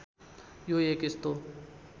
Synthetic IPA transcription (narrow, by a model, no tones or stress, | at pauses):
jojeːkɪst̪o